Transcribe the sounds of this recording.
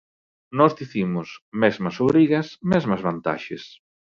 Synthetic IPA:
nɔzðiθimʊsmɛzmɐsoβɾiɣɐsmɛzmɐzβant̪a̰ʃes

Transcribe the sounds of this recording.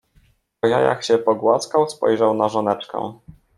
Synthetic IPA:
ɔjaja̰kɕɛpɔɡwaskawspɔ̰jʐawnaʐɔnɛt͡ʂkɛ̰̃

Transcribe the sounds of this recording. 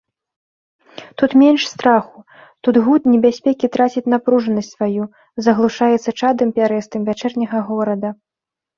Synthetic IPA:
t̪ut̪mʲɛnʂst̪ɾaxu | t̪ud̪ɣut̪nʲɛbʲasʲpʲɛkʲit̪ɾat͡sʲit͡sʲnapɾuʐɐnɐsʲtʲsvaju | zɐɣlˠuʂajɛt̪sːɐt͡ʂad̪ɨmpʲaɾɛst̪ɨmvʲat͡ʂɛrnʲɐɣɐɣɔɾɐd̪ɐ

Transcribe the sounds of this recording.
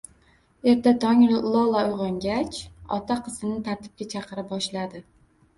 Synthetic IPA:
e̞ɾt̪at̪ʰɒŋlˠɒlˠaʊjʁɑŋɡʲat͡ʃɒ̰t̪ʰaqʰɨzɪnɪt̪ʰaɾt̪ʰɪ̥p̚kʲat͡ʃʰɑqʰɨɾɪp̚bɒʃlad̪ɪ

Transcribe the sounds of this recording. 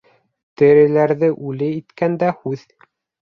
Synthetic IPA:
t̪ɘ̆ɾɘ̆læɾðɘʔʉlɘit̪kænd̪æhʉð

